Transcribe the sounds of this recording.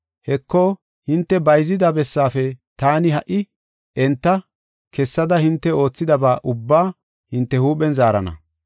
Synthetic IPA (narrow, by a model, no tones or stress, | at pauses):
hɛkːo | hɪnt̪ːɛbɐjzɪd̪abɛsːaːfɛt̪aːnɪhɐʔɪ | ʔɛnt̪ːɐ | kʰɛsːɐd̪ɐhɪnt̪ːɛo̞ːt͡sːɪd̪ɐbaːʔʊbːaː | hɪnt̪ːɛhuːpɛnzaːɾɐnɐ̰